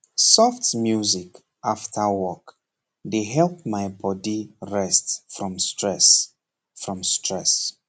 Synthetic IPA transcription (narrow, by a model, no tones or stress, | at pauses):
sɔftmjuzik | aftʰəwɔk | deɦɛlˠpmaɪbɔdiɹɛstfɹɔ̃mstɹɛs | fɹɔ̃mstɹɛs